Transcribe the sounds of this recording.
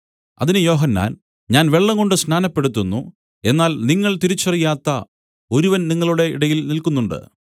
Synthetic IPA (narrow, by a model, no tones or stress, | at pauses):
ɐ̰ðinɨjo̞ːɦɐnːa̰ːn | ɲaːnʋe̞ɭːɐŋɡo̞ɳɖɨsnaːnɐpːe̞ɽut̪̬ːunːu | e̞nːaːlniŋːɐɭt̪iɾit͡ɕːɐrijaːt̪ːɐ | o̞ɾuʋɐnniŋːɐɭuɽe̞ḭɽɐjilnilkunːuɳɖɨ̰